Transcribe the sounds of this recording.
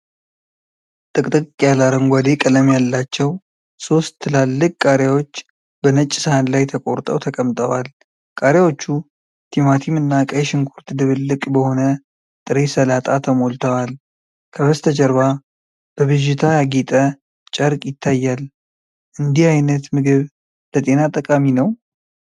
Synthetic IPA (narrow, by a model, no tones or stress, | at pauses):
t̪ʼɨkʼt̪ʼɨkʼkʼjalaɾəŋɡʷad̪e̞kʼələmjalːat͡ʃːɛw | so̞st̪ʰːɨlalːɨkʼkʼaɾjawo̞t͡ʃː | bənət͡ʃʼːɪsəhanlajt̪ʰəkʼoɾt̪ʼə̰wt̪ʰəkʼəmt̪ʼəwal | kʼaɾjawo̞t͡ʃːu | t̪ʰimat̪ʰimɨnːakʼəjʃɪŋkʰuɾt̪d̪ɨβɨlːɨkʼbəho̞nə | t̪ʼɨɾesəlat̪ʼat̪ʰəmo̞lt̪ʰəwal | kʰəβəst̪ʰəd͡ʒəɾβa | b̥əβɨʒɪt̪ʰajaɡit̪ʼə | t͡ʃʼəɾkʼjɪt̪ʰːajːal | ʔɨnd̪ihajnət̪mɨɡɨβ | lət̪ʼe̞nat̪ʼəkʼaminəw